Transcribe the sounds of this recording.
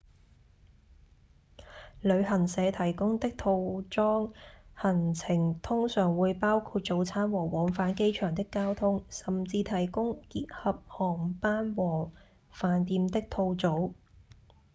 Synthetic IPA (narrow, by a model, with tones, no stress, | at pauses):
lɵ˨˧ɥhɐ˨˩nsɛː˨˧t̪ʰɐ˨˩jkʊ˥ŋt̪ɪ˥k̚t̪ʰo˧wt͡ʃɔː˥ŋhɐ˨˩nt͡sʰɪ˨˩ŋt̪ʰʊ˥ŋsœː˨˩ŋwuː˨˧jpaː˥wkʰuː˧t̚t͡so˨˧wt͡sʰaː˥nwɔː˨˩wɔː˨˥ŋfaː˨˥nke˥jt͡ʃʰœː˨˩ŋt̪̬ɪ˥kːaː˥wt̪ʰʊ˥ŋsɐ˨˩mt͡siː˧t̪ʰɐ˨˩jkʊ˥ŋkiː˧t̚hɐ˨p̚hɔː˨˩ŋpaː˥nwɔː˨˩ | faː˨˧nt̪iː˧mt̪ɪ˥k̚t̪ʰo˧wt͡so˨˥w